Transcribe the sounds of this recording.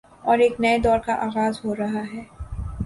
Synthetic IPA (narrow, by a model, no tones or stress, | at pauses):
ɔːɾeːknɐed̪ɔːɾkaʔaːɣaːzɦoːɾɐɦaɦɛː